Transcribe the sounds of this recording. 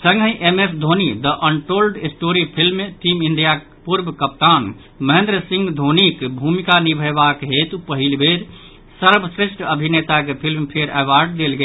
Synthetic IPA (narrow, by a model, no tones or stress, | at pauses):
sə̃ŋɡʱə̃ĩʔemesd̪ʱonid̪əʔəɳʈɾolɖisʈoɾipʰilmːeʈimind̪ija | puɾbəkəp̚t̪an | məɦẽnd̪ɾəsĩŋɡd̪ʱonikbʱumikanibʱəbakɦet̪upəɦilbeɾ | səɾbʱəsɾeʃʈəbʱinet̪akepʰilmpʰeɾəʋaɾɖ̚d̪elɡe